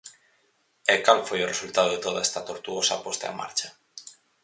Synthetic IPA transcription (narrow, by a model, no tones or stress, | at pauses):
ekalfojoresult̪að̞oðet̪o̞ð̞aest̪at̪oɾt̪uɣosa̰po̞st̪aema̰ɾt͡ʃa